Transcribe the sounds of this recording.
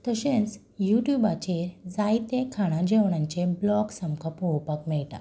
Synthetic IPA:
t̪əɕẽt͡s | juʈjubat͡ɕed͡zajt̪ekʰaɽ̃ãd͡ʑeʋɳ̃ãɲt͡ɕeblɔɡsəmkəpowpakmɛɭʈa̰

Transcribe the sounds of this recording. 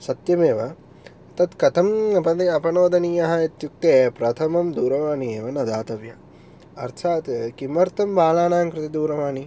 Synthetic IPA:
sɐt̪jɐmeːʋɐ | ɐt̪ɐt̪kɐt̪ʰɐmɐpɐt̪iɐpɐnoːd̪ɐnijɐɦɐit̪juk̚t̪eːpɾɐt̪ʰɐmɐmd̪uːɾɐʋaːnieːʋɐnɐd̪aːt̪ɐʋjɐː | ɾt̪ʰaːt̪kimɐɾt̪ɐmʋaːlaːnaːŋkɾɪt̪id̪uːɾɐʋaːni

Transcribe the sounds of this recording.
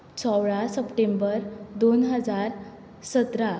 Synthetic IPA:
t͡sʰɔwɭasəpʈembəɾd̪onɦəd͡zaɾ | sət̪ɾa

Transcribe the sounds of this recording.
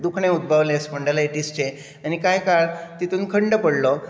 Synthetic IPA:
d̪ukʰɳẽud̪̚bʱaʋlẽspəɳɖalaiʈist͡ɕe | anikajkaɭt̪it̪uːnkʰəɳɖəpəɽlɔ

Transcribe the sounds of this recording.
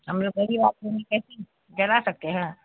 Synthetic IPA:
hɐmloɡɐɾibaːt̪̚kənekɛːse | d͡ʒɐlasɐk̚t̪eɦɛ̃ː

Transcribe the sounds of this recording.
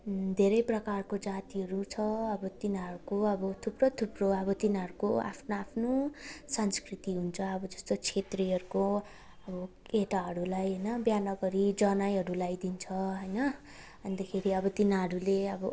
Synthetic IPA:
d̪ʱeɾʌjprʌkarkod͡zat̪iɦʌɾut͡sʰʌʌbʌt̪inɦʌɾukoʌbʌt̪ʰuprot̪ʰuproʌbʌt̪inɦʌɾukoa̰pʰnaapʰnosʌnskrit̪iɦunt͡sʰʌʌbʌd͡zʌst̪ot͡sʰet̪riɦʌɾuko | ʌbʌkeʈaɦʌɾulajɦʌjnʌbjanʌɡʌɾid͡zʌnajɦʌɾulajd̪int͡sʰʌɦʌjnʌ | ʌnd̪akʰeɾiʌbʌt̪inɦʌɾuleʌbʌ

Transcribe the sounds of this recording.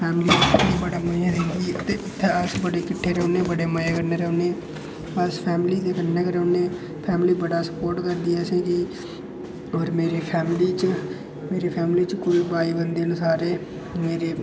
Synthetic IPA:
pʰɛːmliːnẽːbəɽaːməãːd̪ẽːŋɡiːt̪eːʔɪt̪ʰːeːəsbəɽeːkɪʈʰːeːɾɛoneːbəɽeːməjeːkəɾneːɾɛoneː | əspʰɛːmliːd̪eːkənːeːkəɾoːnẽː | pʰɛːmliːbəɽaːsə̥poːɾʈkəɾd̪iːɛːsẽːkɪ | oːɾmeːɾeːpʰɛːmliːt͡ʃ | meːɾeːpʰɛːmliːt͡ʃkʊlbaːiːbənd̪eːənʊsaːɾeː | meːɾeː

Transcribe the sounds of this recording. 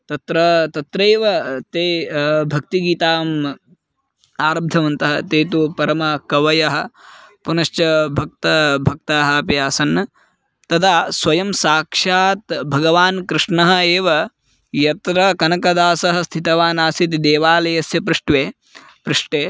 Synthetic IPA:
t̪ɐt̪ɾɐt̪ɐt̪ɾeːʋɐt̪eːbʱɐk̚t̪iɡiːt̪aːm | aːɾɐb̚d̪ʱɐʋɐnt̪ɐɦɐt̪eːt̪upɐɾɐmɐkɐʋɐjɐɦɐ̆punɐʃt͡ʃɐbʱɐk̚t̪ɐbʱɐk̚t̪aːɦɐɐpjaːsɐn | t̪ɐt̪ʰaːsʋɐjɐmsaːkʂaːt̪bʱɐɡɐʋaːnkɾɪʂɳɐɦɐeːʋɐ | jɐt̪ɾɐkɐnɐkɐd̪aːsɐɦɐst̪ʰit̪ɐʋaːnaːsit̪̬id̪eːʋaːlɐjɐsjɐpɾɨʂʈʋeː | pɾɨʂʈeː

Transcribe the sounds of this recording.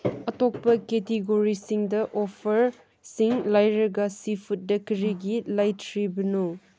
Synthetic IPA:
ɐtok̚pɐketeɡoɾisiŋdɐʔopʰɐɾ | siŋlajɾɐɡɐsipʰut̚dɐkɐɾiɡilajtʰɾibɐnu

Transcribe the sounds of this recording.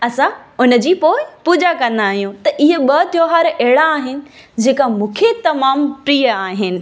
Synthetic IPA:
ɐsãʊnə̆d͡ʑiːpoːɪpuːd͡ʑakɐ̃nd̪aːɦijũt̪ɐʔɪɦəɓɐt̪joɦaːɾɛɦɪɽaːɦɪnɪ̆ | d͡ʑeːkamũːkʰet̪ɐmaːmpɾiːəaːɦɪnɪ̆

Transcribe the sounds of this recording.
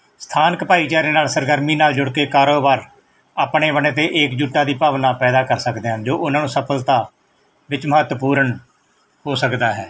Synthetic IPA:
st̪ʰaːnəkpaːiːt͡ʃaːɾiːnaːlsəɾɡəɾmiːnaːld͡ʒʊɽkeːkaːɾoːbaːɾ | aːpɳeːʋəneːt̪̬eːʔeːkd͡ʒuːʈːaːd̪iːpaːʋnãːpɛːd̪aːkəɾsəkd̪eːɦnd͡ʒoːʔʊnãːnũːsəpʰəlt̪aː | ʋɪt͡ʃməɦət̪ːəpuːɾəɳ | hoːsəkd̪aːɦɛː

